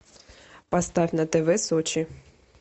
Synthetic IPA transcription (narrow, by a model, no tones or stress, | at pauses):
pɑst̪ɑvʲnət̪ɛvɛsɔt͡ʃʰi